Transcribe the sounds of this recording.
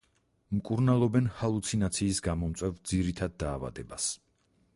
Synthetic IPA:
mkʼuɾnalˠɔbɛnhalˠut̪sʰinat̪sʰiːsɡamɔmt̪sʼwɛvd̪ziɾit̪ʰad̪̚ːaːva̰d̪ɛbas

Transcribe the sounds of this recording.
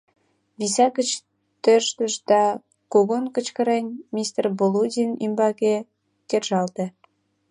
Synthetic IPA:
βisɑkət͡ɕ | t̪øʃt̪ə̆ʃd̪ɑ | koɣonkə̆t͡ɕkə̆ɾenʲmʲist̪erboludʲinḭmbɑke | kerʒɑlt̪ĕ

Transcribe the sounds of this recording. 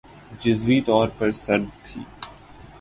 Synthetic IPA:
d͡ʒɪzʋiːt̪ɔːɾpɐɾsɐɾd̪t̪ʰḭː

